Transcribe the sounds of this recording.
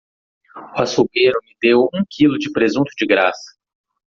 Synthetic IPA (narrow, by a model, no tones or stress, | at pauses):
ʊasukeɾʊmɪd̪ewũkʰilʊd͡ʒɪpɾezũt̪ʊd͡ʒɪɡɾasɐ̥